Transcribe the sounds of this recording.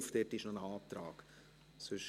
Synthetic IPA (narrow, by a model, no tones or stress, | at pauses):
fd̥̪ɛtɪʃnɔnəɑːt̪ɾaːk | sʉʃ